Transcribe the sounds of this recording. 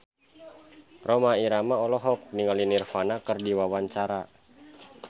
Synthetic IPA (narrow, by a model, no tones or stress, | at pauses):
rɔmaiɾamaɔlɔɦɔk̚niŋalinirfanakərdiwawaɲt͡ʃaɾa